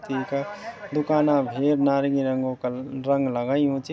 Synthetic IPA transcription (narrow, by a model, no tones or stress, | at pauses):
t̪iked̪ukaːnabʱeɾnaɾɡiɾəŋɡokɾəŋɡləɡəjɦũt͡ʃʰi